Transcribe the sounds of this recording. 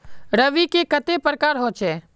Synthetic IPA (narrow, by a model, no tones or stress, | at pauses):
ɾəʋikekɐt̪epɾəkaːɾɦoːt͡ʃɛː